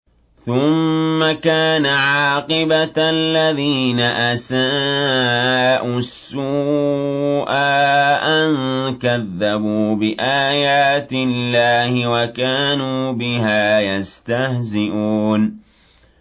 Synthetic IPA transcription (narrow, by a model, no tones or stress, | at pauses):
θʊmːakaːnaʕaːqɪbalːaðiːnaʔasaː | ʔʊsːu | ʔaːʔankaðːabuːbɪʔaːjaːt̪ɪlːaːhɪwakaːnuːbɪɦaːjast̪ahzɪʔuːn